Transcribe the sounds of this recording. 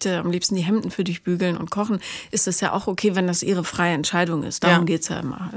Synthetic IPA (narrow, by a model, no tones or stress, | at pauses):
təamliːpstn̩diːɦɛmdn̩fyːɐdʊçb̥yːɡl̩nʊ̰ntkʰɔχn̩ʔɪstɛsja̰ːʔa̰ʊxokʰeːvɛndasʔiːʁ̞əfʁ̥aɪəɛntʃaɪdʊŋʔɪ̰st̚d̥aːʁʊmɡeːtsja̰ːʔɪmɐ̰